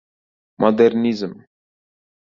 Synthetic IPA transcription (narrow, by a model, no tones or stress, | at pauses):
mʔɔd̪ɛɾnizm